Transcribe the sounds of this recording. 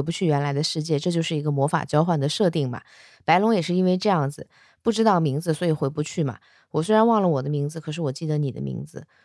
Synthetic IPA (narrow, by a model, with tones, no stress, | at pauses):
pu˧˥t͡ɕʰy˥˩ɥɛ˧˥nla˧˥ɪd̪ə˧ʂɻ̩˥˧t͡ɕjɛ˥˧ʈ͡ʂɤ˥˧t͡ɕjo˥˧ʊʂɻ̩˥˩i˧˥ɡə˧mwɔ˧˥fa̰˨˩t͡ɕjɑ˥ʊxwa˨˩nd̪ə˦ʂɤ˥˧t̪i˥˩ŋmɐ̰˩ | pa˧˥ɪlʊ˧˥ŋjɛ˨˩ʂɻ̩˥˩i˥nwe˥˧ɪʈ͡ʂɤ˥˧jɑ˥˩ŋd͡zɹ̩˩ | pu˥˩ʈ͡ʂɻ̩˥t̪ɑ˥˩ʊmi˧˥ŋd͡zɹ̩˧swɔ˧˥i˨˩xwe˧˥ɪpu˧t͡ɕʰy˥˩mɐ̰˩ | wɔ˨˩swe˥ɪɻa˧˥nwɑ˥˩ŋlə˩wɔ˨˩d̪ə˦mi˧˥ŋd͡zɹ̩˧kʰɤ˨˩ʂ̬ɻ̩˥˩wɔ˨˩t͡ɕi˥˩d̪ə˦ni˨˩d̪ə̰˦mḭ˧˥ŋd͡zɹ̩˧